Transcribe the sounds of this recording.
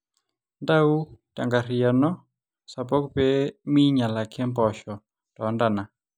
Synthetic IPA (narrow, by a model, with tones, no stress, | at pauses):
ndau˦ta̰˨ŋɡaria˨nɔ˦ | sapɔ˦kupɛmi˦ɲa˨la˨kʰɛ˦mpɔʃɔ | tɔnda˨na˨